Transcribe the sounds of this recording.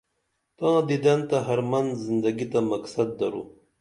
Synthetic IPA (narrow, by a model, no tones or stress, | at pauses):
t̪ãːd̪id̪ɐnt̪aɦɐɾmɐnd̪zind̪ɐɡit̪amɐksɐd̪̚ːɐɾṵ